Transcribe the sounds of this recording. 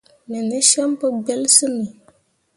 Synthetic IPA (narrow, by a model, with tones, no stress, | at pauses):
nɨ˨nɨ˦ʃɛ˦m˦pɨ˦ɡ͡bɛ˦lsɨ˦mi˨